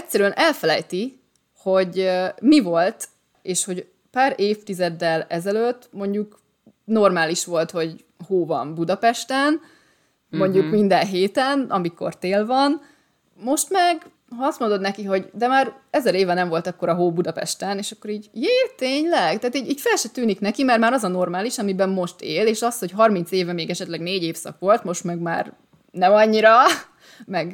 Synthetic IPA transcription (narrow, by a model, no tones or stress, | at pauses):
ɛcʲsɛɾyɛnʔɛlfɛlɛjt̪i | ho̞ɟmivo̞lt̪ | eːʃho̞ɟ | paːɾeːft̪izɛd̪ːɛlɛzɛløt̪ːmo̞ɲɟuk | no̞rmaːliʃʋo̞lt̪ho̞ɟ | hoːvɒ̰mbud̪ɒpɛʃt̪ɛn | mo̞ɲɟukmind̪ɛnɦeːt̪ɛnɒmiko̞̰rt̪eːlvɒn | mo̞ʃt̪mɛɡ | ɦɒɒst̪mo̞nd̪o̞d̪nɛkiɦo̞ɟd̪ɛmaːɾɛzɛɾeːvɛnɛɱvo̞lt̪ɒkːo̞ɾɒɦoːbud̪ɒpɛ̰ʃt̪ɛneːʃɒkːo̞ɾiːɟjeːt̪eːɲlɛɡ̥t̪aːt̪iːɟiːcfɛlʃɛt̪yːniknɛkimɛrmaːɾɒzɒno̞rmaːliʃɒmibɛmːo̞ʃt̪eːleːʃɒsho̞cɦɒrmint̪seːvɛmeːɡɛʃɛt̪lɛɡneːɟeːfsɒ̰kʋo̞lt̪mo̞ʃt̪mɛɡma̰ːr | nɛmɒɲːiɾɒ | mɛɡ